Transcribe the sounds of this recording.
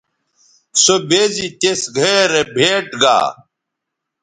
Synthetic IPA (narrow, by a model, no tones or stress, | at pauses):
sobeːzit̪esɡʱeɾebʱeːʈɡa̰ː